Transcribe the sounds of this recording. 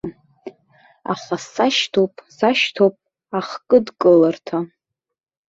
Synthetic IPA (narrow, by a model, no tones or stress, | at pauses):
a̰χʷasaʃtʰopʼsaʃtʰopʼ | aχkʼɨdkʼɨlartʰa